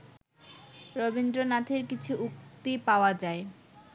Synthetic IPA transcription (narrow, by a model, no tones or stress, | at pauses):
ɾobind̪ɾonat̪ʰiɾkit͡ɕʰuʔuk̚t̪ipaoad͡ʑae